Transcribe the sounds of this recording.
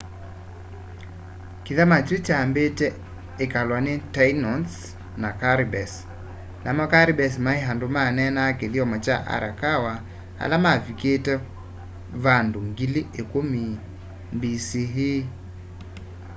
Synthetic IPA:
kiðamat͡ʃɾit͡ʃambetɛ | ekalwanetajnɔns | nakaɾibɛs | namɔkaɾibɛs̬maeɦandomanɛnakeðiɔmɔt͡ʃa̰ʔa̰ɾakawa | ha̰lamaviketɛ | vandoŋɡiliʔekomi | mbisiɦi

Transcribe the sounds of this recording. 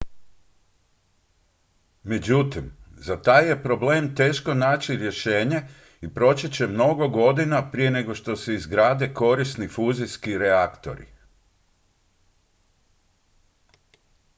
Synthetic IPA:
me̞d͡ʑut̪imzat̪aːjje̞pɾo̞ble̞ːmt̪e̞ːʃko̞naːt͡ɕiɾje̞ʃe̞ːɲe̞ | ipɾo̞t͡ɕet͡ɕe̞mno̞ɡo̞ɡo̞d̪inapɾije̞ne̞ɡo̞ʃt̪o̞seizɡɾaːd̪e̞ko̞ɾisnifuːziskiɾeakt̪o̰ɾḭ

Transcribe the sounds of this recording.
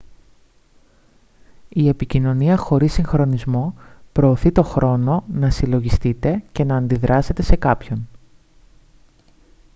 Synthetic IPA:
ie̞picino̞niɐxo̞ɾisiŋxɾo̞nizmo̞pɾo̞ːθit̪o̞xɾo̞no̞nɐsilo̞ʝist̪it̪e̞ce̞nɐːnd̪iðɾʔɐse̞t̪e̞se̞kɐpço̞n

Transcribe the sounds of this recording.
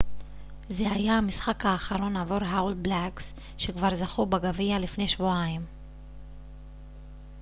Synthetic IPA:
zehajamisχakhaːχaɾo̞navoɾɦawlblaks | ʃekvaʁzaχubaɡavialifne̞jʃvuaim

